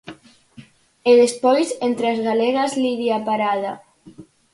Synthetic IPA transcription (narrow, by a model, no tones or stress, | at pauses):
eðespojzent̪ɾeazɣaleɣazliðiapaɾaða